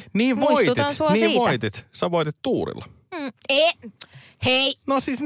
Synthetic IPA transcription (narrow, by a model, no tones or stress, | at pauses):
niːʋʋoit̪t̪isuniːʋoit̪it̪sɑʋoit̪it̪t̪uːɾḭlːɑ | e | hejnosisn